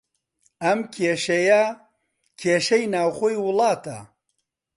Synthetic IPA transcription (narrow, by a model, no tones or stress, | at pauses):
ɐmkʰeːʃɐjɐ | kʰeːʃɐjnaːwxoːjwʊlˠɑːt̪ʰɐ̰